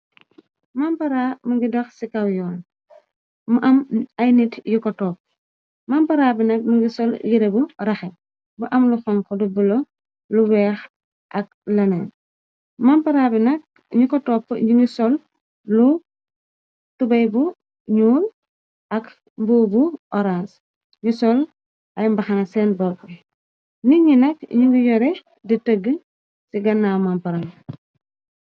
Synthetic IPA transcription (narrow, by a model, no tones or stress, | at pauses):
mampɐɾaːmuŋɡidɐxsikɐwjɔːn | muʔɐmɐjnitjukɔtɔːp̚ | mampɐɾaːbinɐk̚muŋɡisɔljiɾeburɐxɛ | buʔɐmlufɔŋkɔdubulɔ | luwɛːx | ʔɐk̚lɐnɛn | mampɐɾaːbinɐk̚ | ɲukɔtɔpːɲuŋɡusɔlː | u | tubɐjbu | ɲuːl | ʔɐk | mbuːbuʔɔɾans | ɲusɔl | ʔɐjmbɐxɐnɐsɛːnbɔk̚bi | niɲinɐk̚ɲiŋɡujɔɾɛ | ditəɡːə | siɡɐnːamampɐɾa